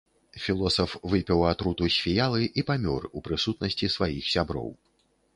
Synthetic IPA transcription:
fʲilˠɔsɐfvɨpʲɛwat̪ɾut̪usʲfʲijalˠɨʔipamʲɔrupɾɨsut̪nɐsʲt͡sʲisvajixsʲabɾɔ̰w

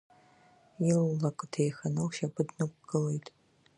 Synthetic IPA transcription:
jɪllɐkʷʼɨtʰejxɐnɐwʃabɨdnɨkʷɡ̥ɨlejtʰʼ

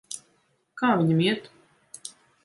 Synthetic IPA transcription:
kaːvʲiɲʲmʲiɛt̪

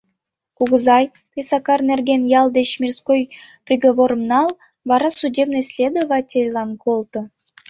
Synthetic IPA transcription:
kuɣɤ̆zɑj | t̪ʲesɑkɑrnʲerɡʲenjɑlˠd̪eɕmʲirskojprʲiɡovoɾɤ̆mnɑlˠ | vɑɾɑsudʲebnɤsʲlʲed̪ovɑtʲelʲlˠɑnkʰolˠt̪ɤ̆

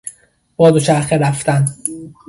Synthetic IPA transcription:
b̥ɒːd̪ot͡ʃʰæɾxeɾæft̪æn

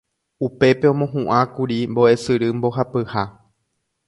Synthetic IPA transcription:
upe̞pe̞õ̞mõ̞ɦũʔãkuɾimbo̞ʔe̞sɨɾɨmbo̞ɦapɨha

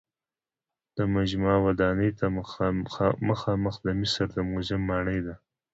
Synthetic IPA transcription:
d̪̥əmad͡ʒmɑwad̪ɑnəjt̪a | məxɑməxd̪əmɪsəɾd̪əmʊzɪmːɑɳəjd̪a

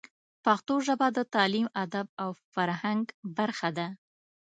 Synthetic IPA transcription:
pɑxt̪oʒabad̪ət̪ɑlimad̪ab̚awfaɾhaŋɡbaɾxad̪a

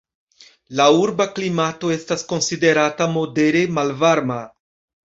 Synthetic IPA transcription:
lauɾbaklimat̪oest̪askonsid̪eɾat̪amod̪eɾemalvaɾma

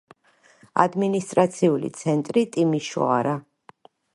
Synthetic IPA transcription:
a̰d̪minist̪ʼɾat̪sʰiulḭt̪sʰɛnt̪ʼɾit̪ʼimiʃɔ̰a̰ɾa

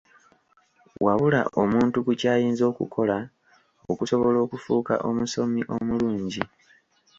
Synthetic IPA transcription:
waβula̰ʔʔo̞muːntukucaːjiːnzo̞ːkṵkʰo̞la | okuso̞βo̞lo̞ːkufuːka̰ʔo̞muso̞miʔo̞muluːɲɟi

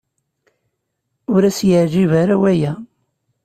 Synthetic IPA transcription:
ʊɾæsjəʕʒivaɾawæjæ

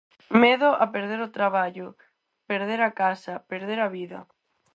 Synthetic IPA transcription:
meðʊʔapeɾð̞eɾot̪ɾaβaʎʊ | peɾð̞eɾakasapeɾð̞eɾaβiðɐ̰

